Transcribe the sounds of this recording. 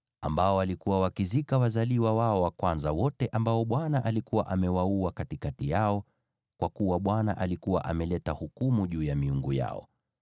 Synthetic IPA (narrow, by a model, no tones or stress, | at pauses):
ambaɔalikuwawakizikawazaliwawaɔwakwanzawɔtɛʔambaɔɓwanaʔalikuwa̰ʔamɛwauakatikatijaɔ | kwakuwaɓwana̰ʔalikuwa̰ʔamɛlɛtahukumuʄuːjamiuŋɡuja̰ɔ̰